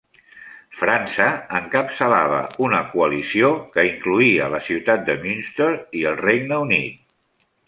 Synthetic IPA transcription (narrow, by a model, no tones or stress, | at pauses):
fɾansəəŋkəpsəla̰β̞ə̰unəkuəlisiokəiŋkluiələsiwt̪at̪̚d̪əmynst̪oɾiəlˠrejɡnəunḭt̪̚